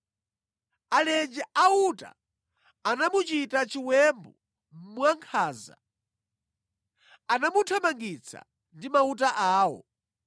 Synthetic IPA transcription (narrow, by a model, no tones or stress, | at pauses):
alɛd͡ʒɛʔauta̰ː | namut͡ʃitat͡ʃʰiwɛmbɔ | mwaŋkʰaːza̰ | anamutʰamaŋɡit͡sʰa̰ | ndimautaʔaːwɔ̰